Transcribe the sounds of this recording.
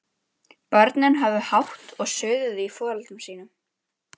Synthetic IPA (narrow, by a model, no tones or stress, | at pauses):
pɔɾt̪nɪnɦavðʏhawht̪ɔɣsœːɥðʏðɪifɔːalt̪ʏmsiːn̪ʏm